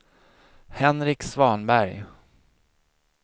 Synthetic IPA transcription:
hɛnɾɪksvɑːnbæɾj

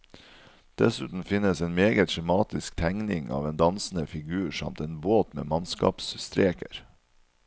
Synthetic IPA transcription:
d̪̥ɛsʉːt̪n̩fɪnəseːnmeːɡət̪ʃɛmɑːt̪ɪskt̪ʰæŋnɪŋɑ̰ːʋeːnd̪ɑnsn̩əfɪɡʉːɾʂɑ̰mt̪eːnboːt̪mḛːmɑnskɑ̰ːpsst̪ɾeːkəɾ

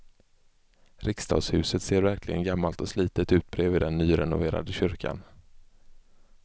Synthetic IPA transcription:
ɾʔɪkst̪ʰɑ̰ːɡshʉ̟ːsət̪seːɾvæɾklɪɡə̰nɡamːalt̪ɔsliːt̪ət̪ʉ̟ːt̪̚bɾeːvɪːd̪ɛnːyːɾɛ̰nʊ̰veːɾa̰d̪əɕʏɾkʰa̰n

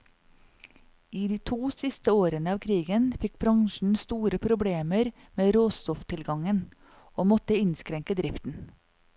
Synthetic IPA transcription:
iːd̪iːt̪ʰuːsɪst̪əoːɾənəɑːʋkʰɾiːɡənfɪk̚bɾɑŋʃɳ̩st̪uːɾəpʰɾʊbɽeːməɾ | meːɾoːst̪ɔft̪ʰɪlɡɑŋən | oːmɔt̪əɪnskɾɛŋkəd̪ɾɪft̪n̩

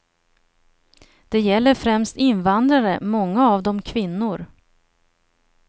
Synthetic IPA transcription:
d̪̥ɛjɛlːəɾfɾɛmst̪ɪnvand̪ɾaɾəmɔŋːaːvd̪ɔmkʰvɪnːʊɾ

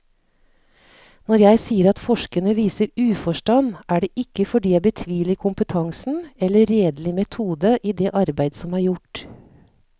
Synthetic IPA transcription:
nɔɾjæɪsiːəɾɑt̪fɔʂkənəʋiːsəɾʉːfɔʂʈɑnːʔæːɖeːʔɪkːəfɔɖiːjæɪbət̪ʰʋiːlɪkʰʊmpət̪ʰɑŋsn̩ɛlːəɾːeːd̪lɪmɛt̪ʰuːd̪əʔiːd̪ɛːʔɑɾbæɪd̪sɔmæːɾjʊʈ

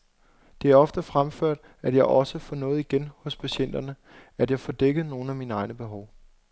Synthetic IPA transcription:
d̥e̝æɐɒ̽fd̥əfʁamføɐ̰d̥ | æd̥jɑ̈ɪʔɒ̽səfɒnɔ̽ːð̩ˠiɡ̥enhɔ̽spʰæɕen̰d̥ɐnə | æd̥jɑ̈ɪfɒd̥eɡ̥əð̩ˠno̝ːn̩æminɑ̈ɪnəb̥e̝ɦɒʊ

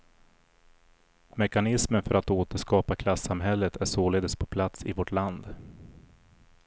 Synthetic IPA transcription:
mɛkanɪsmənfœɾʔat̪oːt̪əʂkɑːpakʰlasamɦɛlːət̪ʰæʂoːleːd̪əspʰɔpʰlat̪sɪvɔʈʰland̪

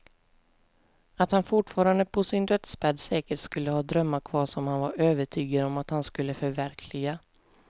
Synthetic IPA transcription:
at̪hanfʊʈfɑːɾand̪əpʰɔsɪnd̪œt̪sbɛd̪sɛːkəʈskɵlːəhɑːd̪ɾœmːakʰvɑːʂɔmhanvaɾøːvəʈʰyːɡad̪ɔmat̪hanskɵlːəfœɾvæɾkʰlɪɡa

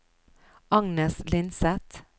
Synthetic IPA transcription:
ɑŋnəslɪnsɛt̪

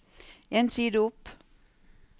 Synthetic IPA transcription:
ʔeːnsiːd̪əʊp

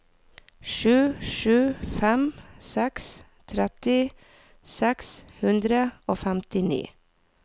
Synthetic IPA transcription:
ʃʉːʃʉːfɛmsɛks | t̪ʰɾɛt̪ɪ | sɛkshʉnd̪ɾəoːfæmt̪ɪnḭː

